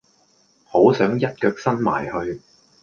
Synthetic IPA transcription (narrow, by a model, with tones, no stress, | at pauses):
ho˨˥wsœː˨˥ŋjɐ˥t̚kœː˧k̚sɐ˥nma̰ː˨˩jhɵ˧ɥ